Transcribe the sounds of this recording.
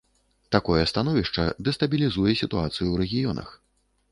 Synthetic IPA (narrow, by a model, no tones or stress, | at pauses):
t̪akɔjɛst̪anɔvʲiʂt͡ʂɐd̪ɛst̪ɐbʲilʲizujɛsʲit̪uat̪sɨjuwɾɛɣʲijɔnʔɐ̰x